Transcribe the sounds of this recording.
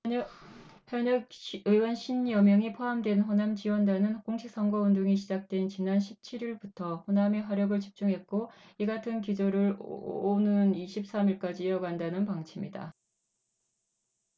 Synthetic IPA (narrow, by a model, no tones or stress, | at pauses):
hjʌɲʌɯwʌnɕʰinjʌmjʌŋipʰoɦamdwe̞nɸonamt͡ɕiwʌndanɯnkoŋɕʰik̚s͈ʌŋɡʌunduŋiɕʰid͡ʑak̚t͈we̞nt͡ɕinanɕʰip̚t͡ɕʰiɾiɭbutʰʌɸoname̞ɸwaɾjʌɡɯɭt͡ɕip̚t͡ɕ͈uŋɦe̞t̚k͈oiɡatʰɯnkid͡ʑoɾɯɭonɯniɕʰip̚s͈amiɭk͈ad͡ʑijʌɡandanɯnpaŋt͡ɕʰimɲida̰